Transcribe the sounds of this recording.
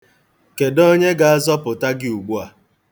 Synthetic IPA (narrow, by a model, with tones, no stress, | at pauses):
ke˨dɔ˦ɲe˦ɡa˨a˦zɔ˦pʊ˨ta˦ɡɪ˦u˨ɡ͡bu˦a˨